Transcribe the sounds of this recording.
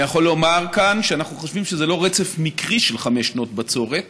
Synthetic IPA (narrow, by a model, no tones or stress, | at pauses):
jaχo̞lo̞maʁkanʃeanaχnuχoʃvimʃezelo̞ʁet͡sefmikʁiʃelχameʃnotbat͡so̞ʁet